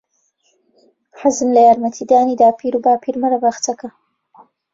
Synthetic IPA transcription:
ħazɨmlɐjaːɾmɐt̪ʰiːd̪aːniːd̪aːpʰiːɾubaːpʰiːɾmɐɾɐbɐxt̪ʰɐkɐ

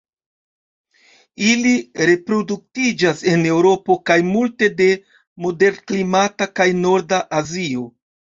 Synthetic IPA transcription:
iliɾe̞pɾo̞duk̚tid͡ʒase̞ne̞wɾo̞po̞kajmulte̞de̞ | mo̞de̞ɾnklimatakajno̞ɾdaʔazio̞

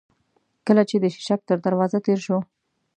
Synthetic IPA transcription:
kəlat͡ʃed̪əʃɪ̥ʃak̚t̪əɾd̪aɾwɑzat̪eɾʃo

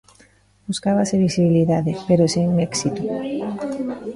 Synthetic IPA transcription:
buskaβaseβisiβiliðaðepeɾosiŋmeksit̪u

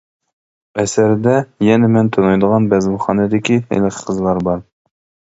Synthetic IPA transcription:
ɛsæɾd̪ɛjɛnɛmɛnt̪ʰonɑjd̪əʁɑnbɛzlχɑːnɛd̪ɪkʲihɛ̰jləqʰə̥qʰəzlˠɑɾbɑɾ

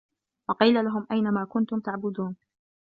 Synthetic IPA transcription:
wɑqiːlalaɦʊmʔajnamaːkʊnt̪ʊmt̪aʕbʊd̪uːn

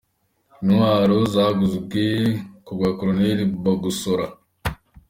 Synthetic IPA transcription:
nuŋaɾozaɡuzuɡekoɡʷakuɾonelibaɡusoɾa

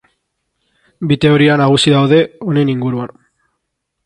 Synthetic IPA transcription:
bit̪e̞o̞ɾianaɣ̞usiðawðe̞o̞ne̞niŋɡuɾuan

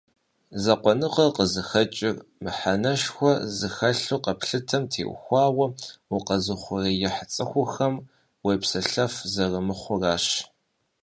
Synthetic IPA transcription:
zɐqʷɔnɨqɐqəzɨxɐt͡ʃʼɪrmɨħanɐʃxʷɔzɨxɐɬuqɐpʰɬɨtʰɐmtʰḛːʔʷxʷɑːwɐwʊqɐzɨχʷʊrejɪħt͡sʼɐxʷʊxɐm | wejpsɐɬɐfzɐrɐmɨχʷʊraːʃ

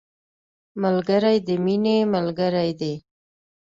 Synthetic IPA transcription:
malɡəɾajd̪əminemalɡəɾajd̪e

